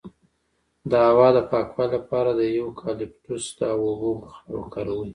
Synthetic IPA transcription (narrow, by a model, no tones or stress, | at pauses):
d̪əawɑd̪əpɑkwɑlapɑɾad̪əjawkʰɑlɪp̚t̪usd̪aawubumxao̰kaɾawi